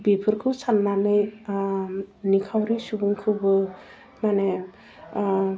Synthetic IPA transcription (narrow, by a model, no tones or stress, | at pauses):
bipʰɯɾkʰɯwsanːanɯj | nikʰawɾisubuŋkʰɯbɯ | mane